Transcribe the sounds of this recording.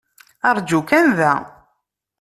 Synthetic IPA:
ɑɾˤd͡ʒukænðæ

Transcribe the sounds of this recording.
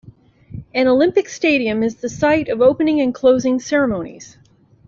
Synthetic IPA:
ɨ̃nəlɪ̃mpɨksteɪɾiɨ̃mɨzðɨsaɪɾʌvoʊpɨnɪ̃ŋɨ̃nkʰl̥oʊzɪ̃ŋsɛɹɨmõʊ̃nḭz̥

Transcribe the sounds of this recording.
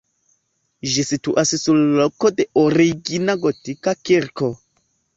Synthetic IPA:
ʒisituʔassullokode̞ʔoɾiɡinaɡotikakiɾko

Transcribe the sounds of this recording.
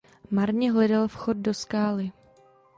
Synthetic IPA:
maɾɲɛɦlɛdalfxo̞d̚doskaːlɪ

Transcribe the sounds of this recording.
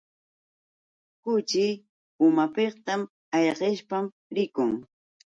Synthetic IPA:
kʊt͡ʃɪ | ʊmapeqt̪am | ɑʎɢeʃpam | ɾɪkʊŋ

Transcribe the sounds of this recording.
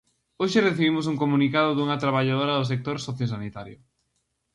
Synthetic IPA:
oʃɪreθiβimʊs̬uŋkomunikaðʊðuŋɐt̪ɾaβaʎað̞oɾɐðʊsek̚t̪oɾsoθjosanit̪aɾjʊ

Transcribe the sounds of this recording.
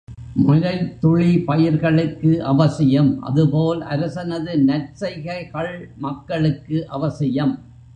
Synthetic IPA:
mʊɾɐɪlt̪ʊɻipɐjɪɾɣɐɭɯkːɯʔɐʋɐsɪjɐmʔɐ̰ðɯpoːlɐ̰ɾɯsɐnɐðɯnɐrt͡ʃɐɪɣɐɪɣɐɭmɐkːɐɭɯkːɯʔɐʋɐsɪjɐm

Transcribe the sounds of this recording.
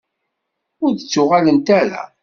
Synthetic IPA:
ʊɾðət͡sːʊʁalənt̪æɾæ̰

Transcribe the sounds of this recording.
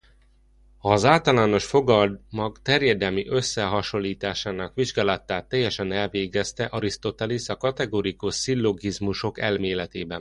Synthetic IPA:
hɒzaːlt̪ɒlaːno̞ʃfo̞ɡɒd̪mɒkt̪ɛrjɛd̪ɛlmiʔø̞sːɛɦɒʃo̞lːiːt̪aːʃaːnɒkʋiʒɡaːlɒt̪ːaːt̪ːɛjɛʃɛnɛlveːɡɛst̪ɛʔɒɾist̪o̞t̪ɛlisɒkɒt̪ɛɡoːɾikuʃsilːo̞ɡizmuʃo̞kɛlmeːlɛt̪eːbɛn

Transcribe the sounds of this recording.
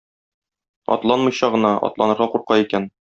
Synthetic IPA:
ɒ̰t̪lˠɑnmɤ̆jɕɑʁɤ̆nɑɒ̰t̪lˠɑnɤ̆ɾʁɑquɾqɑikæn

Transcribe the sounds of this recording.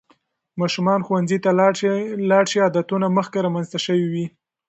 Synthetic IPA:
mɑʃumɑnxwanzit̪a | lɑɽʃiad̪at̪unaməxkeɾɑmanzt̪aʃəwiwi

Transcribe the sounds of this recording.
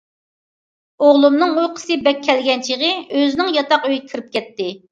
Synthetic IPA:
oʁlˠumnɨŋujqʰə̥sɨbɛkʲʰːɛlɡʲɛnt͡ʃʰiʁəøzɪnɪŋjɑt̪ɑqøjkʲʰiɾɪp̚kʲʰɛt̪ːɪ

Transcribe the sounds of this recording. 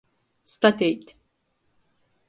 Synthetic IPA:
st̪ɐt̪ɛjt̪

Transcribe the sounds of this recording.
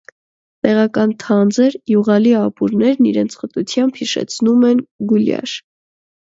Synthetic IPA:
t̪ɛʁɑkɑnt̪ʰɑnd͡zəɾjuʁɑliɑpuɾnɛɾniɾɛnt͡sʰχət̪ut͡sʰjɑmbhiʃɛ̰t͡sʰnumɛnɡuljɑ̰ʃ

